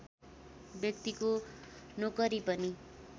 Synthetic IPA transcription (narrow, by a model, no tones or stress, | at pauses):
bjʌk̚t̪ikonokʌɾipʌni